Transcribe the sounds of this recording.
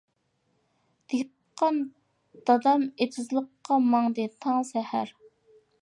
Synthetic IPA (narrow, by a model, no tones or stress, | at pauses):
d̪̥eɡʲ | qʰɑn | d̪̥ɑd̪ɑmet̪ʰɪzlˠəqːɑmɑŋd̪ɨt̪ʰɑŋsɛhæɾ